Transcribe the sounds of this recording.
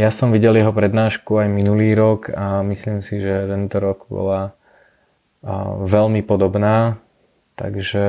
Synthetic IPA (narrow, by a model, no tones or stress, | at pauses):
jasɔmʋiɟɛljɛɦɔpɾɛd̪naːʃkuajminuliːɾɔkʰamisliːmsiʒɛt̪ɛnt̪ɔɾɔɡbɔ̰la | ʋɛlmipɔd̪ɔbnaː | t̪a̰ɡʒɛ